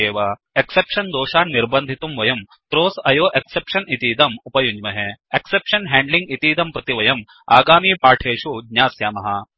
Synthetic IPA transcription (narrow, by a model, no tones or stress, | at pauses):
eːʋaː | eksepʃɐnd̪oːʃaːnːiɾbɐnd̪ʱit̪umʋɐjɐm | t̪ɾoːsɐjoːʔeksepʃɐnit̪iːd̪ɐmupɐjuɲd͡ʒmɐɦeeksepʃɐnɦɛːɳɖliŋɡit̪iːd̪ɐmpɾɐt̪iʋɐjɐm | a̰ːɡaːmiːpaːʈʰeːʃuɡɲaːsjaːmɐɦɐ